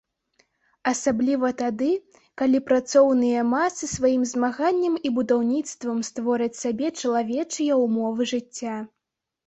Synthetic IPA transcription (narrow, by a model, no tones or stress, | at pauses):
ɐsablʲivɐt̪ad̪ɨ | kalʲipɾat̪sɔwnɨjɐmasɨsvajimzmaɣanʲːɐmibud̪awnʲit̪st̪vɐmst̪vɔɾɐt͡sʲsabʲɛt͡ʂɐlˠavʲɛt͡ʂɨjɐwmɔvɨʐɨt͡sʲːa